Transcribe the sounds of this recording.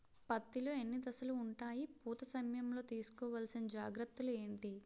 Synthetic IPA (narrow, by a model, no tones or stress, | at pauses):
pɐt̪ːiloːenːid̪ɐsɐluːɳʈaːjipuːt̪ɐsɐmjɐmlo̞ːt̪iːsu̥kɔːʋaːlsinɐd͡ʒaːɡɾɐt̪ːɐlue̞ːɳʈi